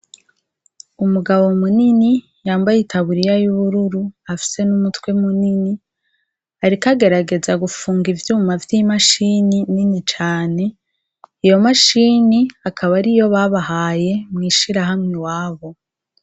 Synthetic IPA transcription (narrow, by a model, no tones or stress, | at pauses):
umuɡaβo̞munini | jaːmbajitaβuɾijajuβuɾuɾuafi̥se̞numutwe̞munini | aɾikaɡe̞ɾaɡe̞zaɡufuːŋɡivjuːmavjimaʃinininit͡ʃaːne̞ | ijo̞maʃiːniakʰaβaɾijo̞βaβaɦaːje̞mŋiːʃiɾaɦamŋewaːβo̞